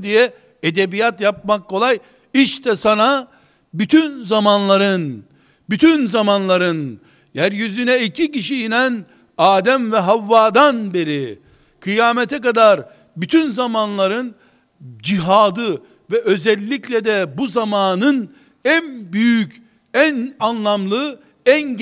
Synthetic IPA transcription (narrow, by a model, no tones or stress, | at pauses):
d̪ijɛ | ed̪ebijat̪jap̚makʰːo̞lˠaj | iʃt̪ʰɛsana | byt̪ʰynzamanlˠaɾɯn | byt̪ʰynzamanlˠaɾɯn | jæɾjyzynɛicʰiciʃijinæn | aːd̪æmvɛɦavːaːd̪anbe̞ɾi | kʰɯjaːmɛt̪ʰɛkad̪aɾ | byt̪ʰynzamanlˠaɾɯn | d͡ʒiɦaːd̪ɯ | vɛʔø̞zɛlʲːiclʲɛd̪ɛbuzamaːnɯn | ænbyjyc | ænanlˠamlˠɯ | æn